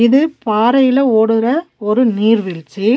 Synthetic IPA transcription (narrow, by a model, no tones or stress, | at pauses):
ɪðɯpaːɾɐjɪlɐoːɽɯɾɐɔɾɯniːɾʋɪlt͡ʃːi